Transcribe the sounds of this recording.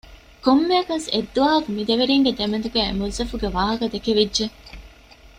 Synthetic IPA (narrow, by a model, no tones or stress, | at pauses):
komːeɐkɐsḛd̪ːuɐːɦɐkumid̪eʋeɾiːŋɡed̪emend̪uɡæːemuzɐfuɡeʋaːɦɐkɐd̪ekeʋidːʒe